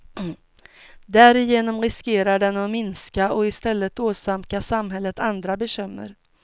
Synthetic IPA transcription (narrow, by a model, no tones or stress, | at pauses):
d̪æɾɪjeːnɔmɾɪskeːɾaɖɛnɔmɪnskaʔɔɪst̪ɛlːət̪oːsamkasamɦɛlːət̪ʰand̪ɾabɛɕʏmːə̰ɾ